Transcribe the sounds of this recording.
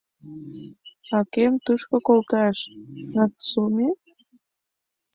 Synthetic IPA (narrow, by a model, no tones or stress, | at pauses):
ɑkemt̪uʃkŏkolt̪ɑʃnɑt̪sumʲe